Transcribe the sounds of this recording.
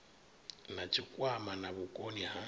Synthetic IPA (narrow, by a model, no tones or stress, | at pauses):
nat͡ʃʰʼikʼwamanaβʊkʼoniha